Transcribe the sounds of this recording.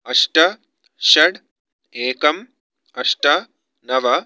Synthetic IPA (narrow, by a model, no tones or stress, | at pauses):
ɐʂʈɐ | ʃɐɽ | eːkɐm | ɐʂʈɐ | nɐʋɐ